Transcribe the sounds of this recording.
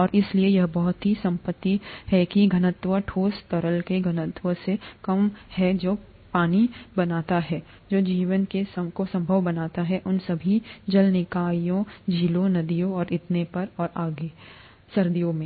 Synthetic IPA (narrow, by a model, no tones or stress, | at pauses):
ɔːɾʔɪsliejɐɦbɔɦʊt̪ɦisɐ̃mpət̪ːihɛkiɡʱɐnət̪ʋəʈʰoːst̪ɔɾəlkeɡʱɐnət̪wəsekɐmhɛd͡ʒoː | paːnibɐnaːt̪aɦɛː | d͡ʒoːd͡ʒiːʋənkesəkosɐ̃mbʱəʋbɐnaːt̪aɦɛʔʊnsɐbʱid͡ʒɐlnɪkaːijõd͡ʒiːlõnɐd̪ijõɔːɾɪt̪nepɐɾɔːɾaːɡe | sɐɾd̪ijõmẽ